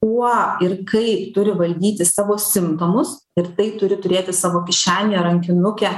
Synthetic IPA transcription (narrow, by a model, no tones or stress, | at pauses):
kuɔɪrkɐɪpt̪ʊɾʲɪʋɐlʲd̪ʲiːt̪ʲɪsɑːʋoːsʲɪmt̪oːmʊs | ɪɾt̪ɐɪt̪ʊɾʲɪt̪ʊɾʲeːt̪ʲɪsɑːʋoːkʲɪʃʲæːnʲeɐɾɐŋʲkʲɪnʊkʲɛ